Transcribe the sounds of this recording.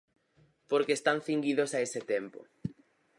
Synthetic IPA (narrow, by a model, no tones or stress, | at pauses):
poɾkeːst̪aŋθiŋɡiðosaesɪt̪empo̰